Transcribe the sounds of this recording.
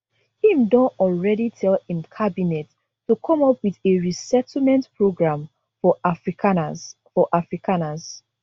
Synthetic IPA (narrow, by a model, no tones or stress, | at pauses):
hĩmdɔ̃ntɔlɹɛditʰɛlĩmkʰabinɛt | tːukʰɔ̃mɔpwiðeɹisɛtl̩mɛ̃ntpʰɹoɡɹãm | fɔafɹ | fɔʔafɹikʰanaz̥